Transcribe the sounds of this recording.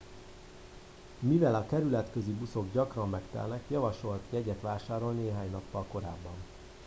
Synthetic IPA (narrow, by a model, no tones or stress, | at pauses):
mivɛlɒkɛɾylɛt̪køzibuso̞ɡɟɒkrɒmːɛkt̪ɛ̰lnɛkjɒvɒʃo̞lt̪jɛɟɛt̪ʋaːʃaːɾo̞lneːɦaːɲnɒpːɒlko̞ɾaːbːɒn